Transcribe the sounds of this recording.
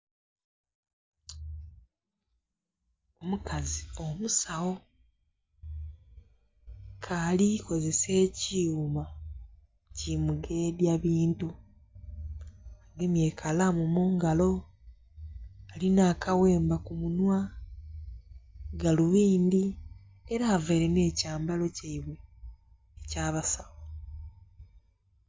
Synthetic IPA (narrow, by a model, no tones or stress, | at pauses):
omukazio̞musawo̞ | kʰaliko̞ze̞se̞ːciuma | cimuɡe̞djaβiːntu | aɡemje̞ːkʰalamumuːŋɡalo̞ | alinaːkawe̞ːmbakumunwa | ɡaluβiːndi | eɾaːveːɾe̞ne̞ːcaːmbalo̞caiβwe̞ː | caːβasaβo